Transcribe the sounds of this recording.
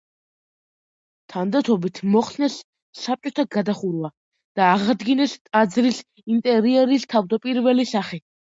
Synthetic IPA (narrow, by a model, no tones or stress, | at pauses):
t̪ʰand̪at̪ʰɔbit̪ʰmɔχsnɛsː | ap̚ʼt͡ʃʼɔt̪ʰaɡad̪aχuɾva | d̪̥aːʁad̪ɡinɛst̪ʼad̪zɾis | int̪ʼɛɾiɛɾist̪ʰavd̪apʼiɾvɛlisaχi